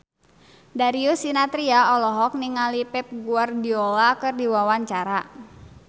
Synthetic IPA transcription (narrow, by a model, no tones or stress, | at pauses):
daɾiusinat̪ɾiaɔlɔɦɔk̚niŋalipɛp̚ɡuardiɔlakɨrdiwawaɲt͡ʃaɾa